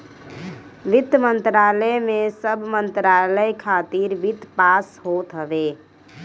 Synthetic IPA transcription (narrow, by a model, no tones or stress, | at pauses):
ʋit̪ːmənt̪ɾaːləmẽsəbmənt̪ɾaləjkʰat̪iɾʋit̪paːsɦot̪ɦəʋe